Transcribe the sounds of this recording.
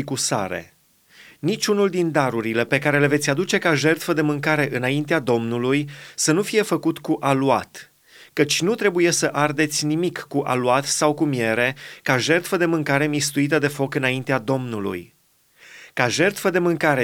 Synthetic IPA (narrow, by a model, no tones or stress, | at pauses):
ikusa̰ɾe̞̰ | nit͡ʃʲunuld̪ind̪aɾuɾile̞pe̞kaɾe̞le̞ve̞t̪sʲad̪ut͡ʃe̞kaʒe̞rt̪fəd̪e̞mɨŋkaɾe̞ʔɨnaint̪ead̪o̞mnulujsən̪ufije̞fəkut̪kuʔaluat̪ | kət͡ʃʲnut̪ɾe̞buje̞səʔard̪e̞t̪sʲnimikːuʔa̰luat̪sawkumije̞ɾe̞kaʒe̞rt̪fəd̪e̞mɨŋkaɾe̞mist̪uit̪əd̪e̞fo̞kɨnaint̪ead̪o̞mnulṵj | kaʒe̞rt̪fəd̪e̞mɨŋkaɾe